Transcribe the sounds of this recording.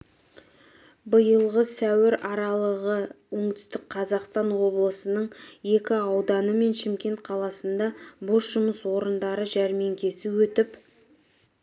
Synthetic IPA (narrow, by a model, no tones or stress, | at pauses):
bəjəlˠʁəsæwɪɾɑɾɑlˠəʁəwɵŋt̪ʏ̥st̪ɪk̚qʰɑzɑqst̪ɑnwo̞blˠəsənəɴje̞kʲɪɑwd̪ɑnəme̞nʃɪmkʲe̞nt̪̚qʰɑlˠɑsənd̪ɑbo̞sʒʊməswo̞ɾənd̪ɑɾəʒæɾme̞ŋkʲʰe̞sɪwɵt̪ɪp